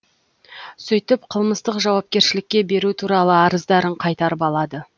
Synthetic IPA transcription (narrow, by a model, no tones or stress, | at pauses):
sɵjt̪ɪpqʰəlˠməst̪əqʒɑwɑp̚kʲe̞ɾʃɪlɪkʲːe̞be̞ɾut̪ʰuɾɑlˠəɑɾəzd̪ɑɾəɴqʰɑjt̪ɑɾəpɑlˠɑd̪ə